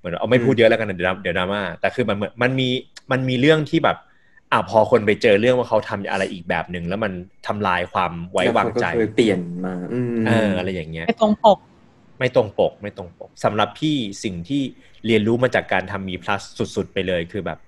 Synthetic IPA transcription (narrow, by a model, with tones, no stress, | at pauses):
mɯ˩˦n˧ʔm˥˩pʰuː˥˩t̪̚jɤ˦˥ʔlːka˧na˧˥di˩˦˧di˨˦wnaː˧˩mːaː˥˩t̪ɛː˨˩kʰɯː˧ma˧nm˩˦ənma˧nmiː˧ma˧nmiː˧ɾɯ˥˩əŋt̪ʰiː˥˩bɛː˨˩p̚ | ʔa˨˩wpʰɔː˧kʰo˧npa˧jt͡ɕɤː˧ɾɯ˥˩əŋwaː˥˩kʰa˦˥wt̪ʰa˧mjʔa̰˧ɾa˧jʔiː˨˩k̚bɛ̰ː˨˩p̚nɯ˨˩ŋlɛː˦˥wma˧nt̪ʰa˧mlaː˧jkʰwaː˧mwa˦˥jjwaː˧ŋt͡ɕa˧jt̪i˨˩ənmaː˧ʔɤː˧ʔa˧ɾa˧jːaː˨˩ŋːi˦˥ɐ˥˩jt̪o˧ŋpo˨˩k̚ | ma˥˩jt̪o˧ŋpo˨˩k̚ma˥˩jt̪o˧˩ŋpo˨˩k̚sa˩˦mɾa˨˩pʰiː˥˩si˨˩ŋt̪ʰiː˥˩ | li˧ənɾuː˦˥maː˧t͡ɕaː˨˩kːaː˧nt̪ʰa˧mːiː˧pʰla˦˥ssu˨˩t̪̚su˨˩t̪̚pa˧jlɤː˧jkʰɯː˧bɛː˨˩p̚